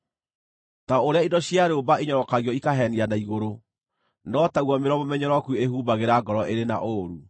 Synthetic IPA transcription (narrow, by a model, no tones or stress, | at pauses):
taoɾeaidɔɕjaɾobaeɲɔɾɔkaɣiɔikaɦɛnianaiɣoɾo | nɔtaɣwɔmeɾɔmomɛɲɔɾɔkueɦuːbaɣeɾaɡɔɾɔʔeɾena̰ʔoɾu